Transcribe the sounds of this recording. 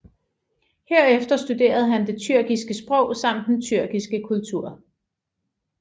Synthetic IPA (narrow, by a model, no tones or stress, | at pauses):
heɐ̰efd̥ɐsd̥ud̥e̝̰ːɐð̞̩ˠɦænd̥e̝t͡sʰyɐ̰ɡ̥isɡ̥əsb̥ʁɔʊsɑ̈m̰d̥ent͡sʰyɐ̰ɡ̥isɡ̥əkʰult͡sʰuɐ̰